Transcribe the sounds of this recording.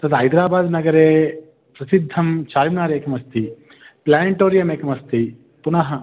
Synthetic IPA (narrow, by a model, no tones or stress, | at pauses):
t̪ɐd̪ɦɐjd̪ɾaːbaːd̪nɐɡɐɾeː | pɾɐsid̪ʱːɐmt͡ʃaːɾimnaːɾeːkɐmɐst̪i | plaːniʈoːɾijɐmeːkɐmɐst̪i | punɐɦɐ